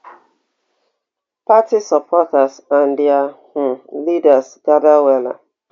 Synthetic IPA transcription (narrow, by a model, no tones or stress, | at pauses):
patisɔpʰɔtasãn̩dɪahʊlidasɡadawɛla̰